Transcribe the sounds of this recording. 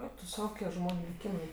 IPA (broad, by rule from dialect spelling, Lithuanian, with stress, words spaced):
ˈɛɪk tʊ ˈsɐʊ ˈkoːkʲiɛ ˈʒmoːnʲʊ lʲɪˈkʲiːmɐɪ